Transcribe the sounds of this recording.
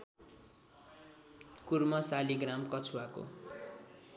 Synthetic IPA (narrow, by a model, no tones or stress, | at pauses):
kurmʌsaliɡramkʌt͡sʰuwako̰